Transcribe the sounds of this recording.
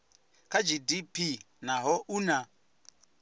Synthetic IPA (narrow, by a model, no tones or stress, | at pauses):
kad͡ʒidipi | naɦɔʔuna